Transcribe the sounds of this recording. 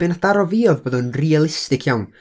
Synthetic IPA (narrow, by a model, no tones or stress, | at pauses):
bɪnad̥aɾɔviɔðboːðɔnrialˠɪstɪkʰjawn